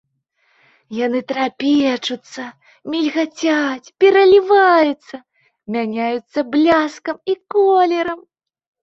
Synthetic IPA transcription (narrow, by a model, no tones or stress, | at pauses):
janɨt̪ɾapʲɛt͡ʂut̪sːɐ | mʲilʲɣat͡sʲat͡sʲpʲɛɾɐlʲivajut̪sːɐ | mʲanʲajut̪sːɐblʲaskɐmikɔlʲɛɾɐm